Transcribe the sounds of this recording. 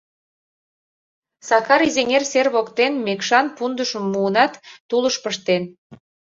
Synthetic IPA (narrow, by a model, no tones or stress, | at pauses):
sɑkɑɾizeŋerserβokt̪enmekʃɑnpund̪əʃəmːuːnɑt̪ːuləʃpəʃt̪en